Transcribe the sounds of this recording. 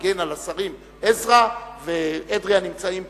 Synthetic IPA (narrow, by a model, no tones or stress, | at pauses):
ɡenalasaʁim | ezʁaveed̪ʁianimt͡saim